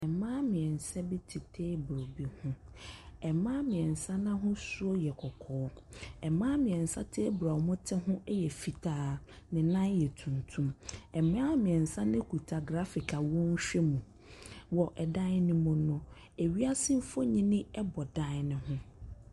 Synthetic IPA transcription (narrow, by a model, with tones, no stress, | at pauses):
ɛ˨mãː˦mɪ̃˨ɛ˨n̩˨sɛ˦bi˦tʰi˨tʰeː˦bɾo˨bi˦hʊ̃˦ | ɛ˨mãː˦mɪ̃˨ɛ̃˨n˨sã˦nã˦ɦʊ̃˦su˦o˦jɛ˨kʰɔ˨kʰɔː˨˦ɛ˨mãː˦mɪ̃˨ɛ̃˨n̩˨sa˦tʰe˦bɾa˨wmʊ̃˦tʰɪ˦ɦʊ̃˦jɛ˨fi˨tʰaː˦ | nɪ̃˨nã˦jɛ˨tʰũ˨ntʰũ˦mɛ˨mãː˦mɪ̃˨ɛ˨n̩˨sã˦nɪ̃˦kʰu˨tʰa˨ɡɾa˦fɪ˨kʰa˨wɔ̃˦ɲ˦ɕᶣɛ˦mũ˨ | wɔ˨ʔɛ˨da˦ɪ˦nɪ̃˦mʊ̃˦nʊ̃˦ | e˨ɥi˦a˦sɪ̃˦m˦fɔ˦ɲĩ˦nɪ̃˦ɛ˦bɔ˨da˦nɪ̃˨ɦʊ̃˦